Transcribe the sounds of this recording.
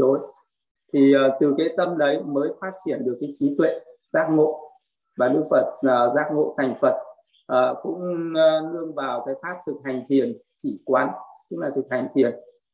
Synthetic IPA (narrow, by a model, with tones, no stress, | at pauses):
ɗo˨˦j | t̪ʰiː˨˩˨t̪ɨ˨˩kaː˨˦jt̪ə˧mɗə˨˦jməː˨˦jfaː˦˥t̚t͡ɕi˧˩ənɗɨ˨˩əkːaː˨˦jt͡ɕi˨˦t̪wḛ˧˨zaː˦˥k̚ŋo̰˧˨ | vaː˨˩ɗɨ˦˧˥fə˨˩t̚ːzaː˦˥k̚ŋo̰˧˨t̪ʰa˨˩jŋ̟fə˨˩t̚ | ʔəː˨˩kʊ̰˧˥ŋ͡mlɨ˧əŋvaː˨˩wkaː˨˦jfaː˦˥p̚t̪ʰɨ˨˩k̚ha˨˩jŋ̟t̪ʰi˨˩ən | t͡ɕi˧˩kwaː˨˦nt̪ɨ˨˦˥k̚laː˨˩t̪ʰɨ˨˩k̚ha˨˩jŋ̟t̪ʰi˨˩ən